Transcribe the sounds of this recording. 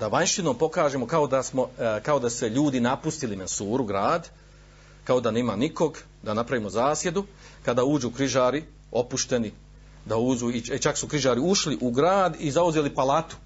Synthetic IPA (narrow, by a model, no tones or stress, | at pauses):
d̪aʋaɲʃino̞ːmpo̞kaːʒe̞ːmo̞kaod̪asmo̞kao̞d̪aseʎuːd̪inapust̪ilimensuːɾuɡɾaːd̪ | kao̞d̪aniːmaːniko̞ɡ | d̪anapɾaʋiːmo̞zaːsje̞d̪u | kad̪aːuːd͡ʒuːkɾiʒaːɾi | o̞puʃt̪e̞ni | d̪auːd͡ʒuːit͡ʃaksukɾiʒaːɾiuʃliʔuɡɾaːd̪izauzeːlipalat̪u̥